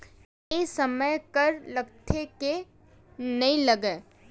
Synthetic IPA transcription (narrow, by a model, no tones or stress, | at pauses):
esɐməjkɐɾlɐkt̪ʰeke | nɐĩlɐɡeː